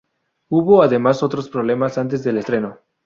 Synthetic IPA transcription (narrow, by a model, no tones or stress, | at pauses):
uβo̞aðe̞maso̞t̪ɾo̞spɾo̞β̞le̞masant̪̬e̞zðe̞lest̪ɾe̞no̞